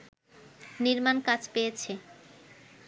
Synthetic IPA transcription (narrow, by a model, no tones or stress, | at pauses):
niɾmankad͡ʑpejet͡ɕʰe